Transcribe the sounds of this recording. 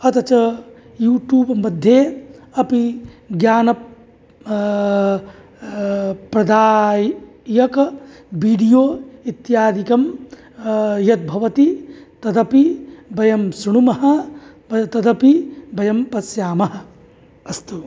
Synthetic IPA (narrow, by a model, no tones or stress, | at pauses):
ɐt̪ɐt͡ʃɐ | juːʈjuːbmɐd̪ʱːjeɐpiɡjaːnɐ | pɾɐd̪aːjjɐkbiːɖijoːit̪jaːd̪ikɐm | jɐt̪̚bʱɐʋɐt̪it̪ɐt̪ɐpibɐjɐmsɐɽ̃umɐɦɐ̆ | t̪ɐd̪ɐpibɐjɐmpɐsjaːmɐɦɐ̆ | ɐst̪u